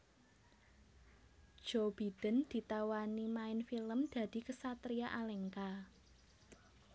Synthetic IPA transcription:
d̥ʒ̥ob̥i̤d̪̥ə̤nd̪̥i̤t̪awanimaɪnfiləmd̪̥ä̤d̪̥i̤kəsat̪ɾiaʔalɛŋka

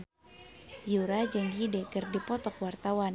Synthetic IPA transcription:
juɾad͡ʒɨŋɦidɛkɨrdipɔt̪ɔkwart̪awan

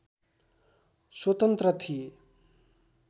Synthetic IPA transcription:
swʌt̪ʌnt̪ɾʌt̪ʰi

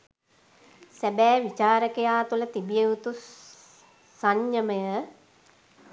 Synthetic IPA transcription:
sæbæːʋit͡ʃaːɾəkejaːt̪ulət̪ibijeut̪u | saɲjəməjə

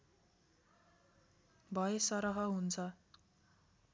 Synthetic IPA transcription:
bʱʌesʌɾʌɦʌɦunt͡sʰʌ

